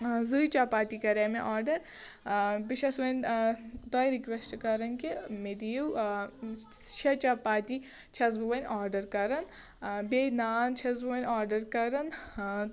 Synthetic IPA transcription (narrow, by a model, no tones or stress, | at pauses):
zujt͡ʃaːpaːt̪ikɐɾɐmeʔaːɾɖɐɾ | biʃɐsʋɐnʲt̪ɔːjɾikʋesʈkɐɾɐnkimed̪iju | t͡ʃʰɐt͡ʃapaːt̪i | t͡ʃʰɐzbuʋɐnʲʔaːɾɖɐɾkɐɾɐn | benaːnt͡ʃʰɐzbuʋɐnʲaːɾɖɐɾkɐɾɐn